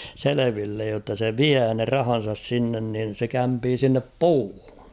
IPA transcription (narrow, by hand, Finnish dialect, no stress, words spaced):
seleʋilːej jotːɑ se ʋiæː ne rɑhɑn̞sɑs sinːen nin̞ se kæmpiː sinːep puːhu̥